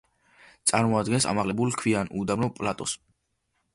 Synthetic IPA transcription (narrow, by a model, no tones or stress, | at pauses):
t̪sʼaɾmɔad̪ɡɛnsa̰maʁlɛbulkʰwianud̪amnɔpʼlat̪ʼɔs